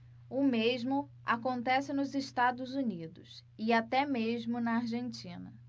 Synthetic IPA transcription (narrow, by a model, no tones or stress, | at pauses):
ʊmeʒmʊ | a̰kõnt̪ɛsɪnʊzɪʃt̪ad̪ʊzunid̪ʊsɪat̪ɛmeʒmʊnɐaɾʒẽnt͡ʃĩnɐ̰